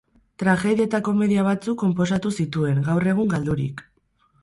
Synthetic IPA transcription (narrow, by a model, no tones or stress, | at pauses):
t̪ɾaxe̞ðie̞t̪ako̞me̞ðiaβ̞at͡sukːo̞mpo̞s̬at̪usit̪ue̞ŋɡawre̞ɣ̞uŋɡald̪uɾḭk